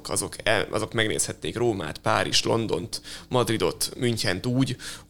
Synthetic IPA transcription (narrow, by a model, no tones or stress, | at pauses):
kɒzokɛɒ̰zo̞kmɛɡnḛːshɛt̪ːeːkroːma̰ːt̪pa̰ːɾiʃlo̞nd̪o̞nt̪mɒd̪rid̪o̞t̪myɲt͡ʃɛnt̪uːɟ